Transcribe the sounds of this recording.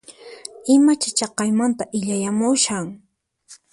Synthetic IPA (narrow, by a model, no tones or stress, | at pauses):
ɪmat͡ʃat͡ʃɑqɑjmant̪aʔɪʎajamʊʃaŋ